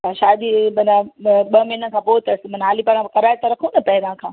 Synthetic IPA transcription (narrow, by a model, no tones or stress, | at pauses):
aʃaːd̪imɐnaɓɐmɐinə̆kʰãːpoːt̪ɐsɪmɐnaːlipɐ̃ãkɐɾaːjt̪ɐɾɐkʰũnɐpɐɦɪɾãkʰãː